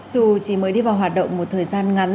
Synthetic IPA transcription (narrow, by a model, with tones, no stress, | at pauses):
zu˨˩t͡ɕi˨˧˩məː˨˦jɗi˧vaː˨˩wɦwaː˨˩t̚ɗə̰˧˨wŋ͡mmo˨˩t̚t̪ʰəː˨˩jzaː˧nŋa˨˦n